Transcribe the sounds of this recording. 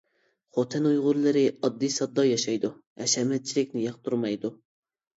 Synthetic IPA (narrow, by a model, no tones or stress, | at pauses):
χot̪ʰɛnujʁʊɾlˠɨɾɪɑd̪ːijsɑd̪ːɑjɑʃɑjd̪uɛʃɛmɛt̪̚t͡ʃʰilɪkʲnɪjɑqt̪ʰuɾmɑjd̪u